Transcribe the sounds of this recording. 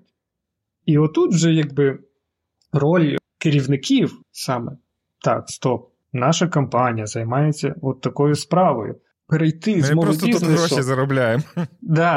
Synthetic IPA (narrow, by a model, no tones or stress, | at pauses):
iɔt̪ːut̪ʒɛjaɡ̚bɪ | rɔl̰ʲkɪɾʲiwnɪkʲiw | sɑmɛ | t̪ɑ̰kst̪ɔp̚ | nɑʃɐkɐmpɑnʲijɐzɐjmɑjet͡sʲːɐ̰ɔt̪ːɐkɔjʊspɾɑʋɔ̰jʊ̰ | peɾɐjt̪ɪmzmɔɾɔt̪ʲiznɪsɔizɐɾɔblʲajemd̪ɑ